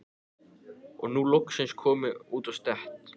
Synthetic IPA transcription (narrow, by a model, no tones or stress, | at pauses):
ɔɣnulɔksɪnskʰɔːmɪuːt̪ɔst̪ɛht̪